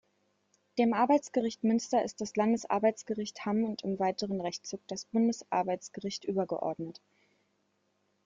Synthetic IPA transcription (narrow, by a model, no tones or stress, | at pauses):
d̥eːmʔaɐbaɪt͡sɡ̥əʁɪçtmʏnstɐɪ̰std̥aslandəsʔa̰ɐbaɪt͡sɡ̥əʁɪçthamʊntɪmvaɪtəʁənʁɛçt͡suːk̚d̥asb̥ʊndəsʔa̰ɐbaɪt͡sɡ̥əʁɪçtʔyːbɐɡə̰ʔɔ̰ɐdnət